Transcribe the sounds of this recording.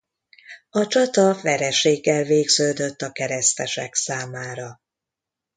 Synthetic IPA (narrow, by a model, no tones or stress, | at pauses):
ɒt͡ʃɒt̪ɒvɛɾɛʃeːɡːɛlveːɡz̥øːd̪øt̪ːɒkɛɾɛst̪ɛʃɛksaːmaːɾɒ